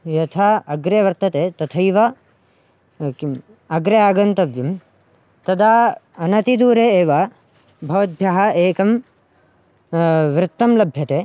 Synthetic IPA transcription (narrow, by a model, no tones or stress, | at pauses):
jɐt̪ʰaɐɡɾeʋɐɾt̪ɐt̪eːt̪ɐt̪ʰɐjʋɐ | ki | ɐɡɾɐaːɡɐnt̪ɐʋjɐm | t̪ɐd̪aː | ɐnɐt̪id̪uːɾeeːʋa | bʱɐʋɐd̪̚ʱjɐɦɐʔeːkɐm | ʋɾɪt̪ːɐmlɐbʱjɐt̪eː